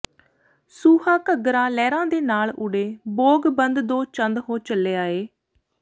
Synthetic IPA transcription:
suːhãːkəɡɾãːlɛːɾãːd̪eːnaːlʊɽeːboːɡbənd̪d̪oːt͡ʃənd̪ɦoːt͡ʃəlːeːaːeː

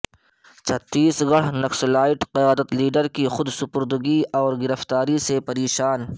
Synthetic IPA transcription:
t͡ʃʰɐt̪ːiːsɡɐɽ̤nɐkslaːɪʈqɪjaːd̪ət̪liːɖəɾkixʊd̪sʊpʊɾd̪əɡiɔːɾɡɪɾəft̪aːɾisepɐɾeːʃaːn

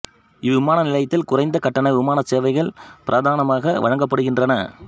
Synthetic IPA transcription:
ɪʋɪmaːnɐnɪlɐjt̪ːɪlkʊrɐɪnd̪ɐkɐʈːɐnɐɪʋɪmaːnɐseːʋɐɪɣɐɭpɪɾʔaːðaːnɐmaːɣɐʋɐ̰ɻɐŋɡɐpːɐɽɯɣɪndrɐnɐ

